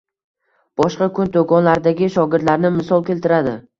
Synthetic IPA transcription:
b̥ɒʃqɑkʰʊnt̪ʰokɒnlaɾd̪aɡʲɪʃɒɡʲɪɾd̪laɾnɪmɪsɒlˠkʲe̞lt̪ɪɾad̪ɪ

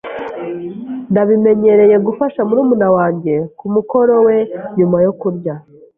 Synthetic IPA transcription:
ndaβime̞ɲe̞ɾe̞je̞ɡufaʃamuɾuːmunawaːɲɟe̞kumuko̞ɾo̞we̞ɲumajokuɾɟa

